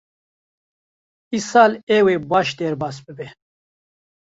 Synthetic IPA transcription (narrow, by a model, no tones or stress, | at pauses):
isaːleweːbaːʃd̪eɾbaːsbɨbe